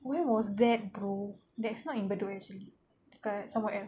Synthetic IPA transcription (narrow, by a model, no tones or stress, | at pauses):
wɛwɔsdɛt̚bɹu | dɛtsnɔtĩnbəduɛk̚t͡ʃuəli | tu̥kasãmwɛʔɛl